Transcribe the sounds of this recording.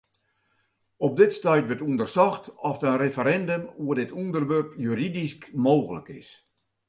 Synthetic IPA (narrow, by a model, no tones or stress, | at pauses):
ɔp̚dɪtstɛjtʋətundərsɔxtɔfdənrefəɾɛndəmuədɪtundərʋørpjyɾidiskmoːɣələ̰kɪ̰s